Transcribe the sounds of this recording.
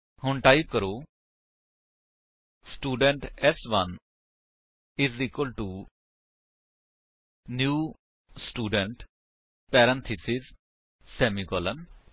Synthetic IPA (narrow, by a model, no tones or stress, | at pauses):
hʊɳʈaːikəɾoː | sʈuːɖəɳʈɛsʋɐ̃n | ɪziːkəlʈu | njuː | sʈuːɖə̃ɳʈ | pɛːɾə̃nt̪ʰisɪz | sɛːmiɡɔːlən